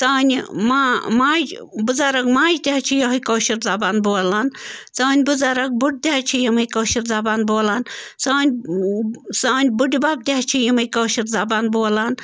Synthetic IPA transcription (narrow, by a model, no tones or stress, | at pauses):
t͡saːnʲimamaːd͡ʒbuzaːɾɐkmaːd͡ʒd̪ʲaɦt͡ʃʰijoɦɐjkoːʃiɾzabaːnboːlaːnt͡saːnʲbuzaːɾɐk̚buʈ̚d̪ʲaɦt͡ʃʰijimɐjkoːʃiɾzɐbaːnboːlaːnsaːnʲ | saːnʲbuʈibaːb̚d̪ʲaɦt͡ʃʰijimɐjkoːʃiɾzabaːnboːlaːn